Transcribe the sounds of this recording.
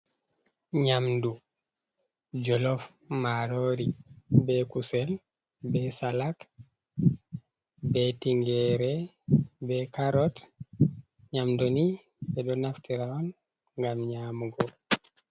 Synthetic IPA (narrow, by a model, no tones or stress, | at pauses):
ɲamdu | d͡ʒɔlɔf | maɾoɾibɛkusɛl | bɛsalak | bɛtiŋɡɛɾɛ | bɛkaɾɔt | ɲamduni | bɛdɔnaftiɾaɔn | ŋɡamɲamuɡɔ